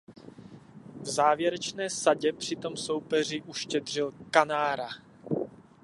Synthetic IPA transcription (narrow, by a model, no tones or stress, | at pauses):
vzaːvjɛɾɛt͡ʃnɛːsaɟɛpr̝̥ɪt̪o̞mso̞wpɛr̝ɪʔuʃcɛd̪r̝ɪlkanaːɾa